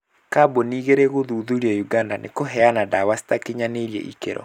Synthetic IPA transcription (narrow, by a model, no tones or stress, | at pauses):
kaboniːɣeɾɛɣoðuðuɾiɔjuɡandanʔḛkoɦɛanadawasi̥takeɲaneɾiɛ̰ʔḭkḛɾɔ̰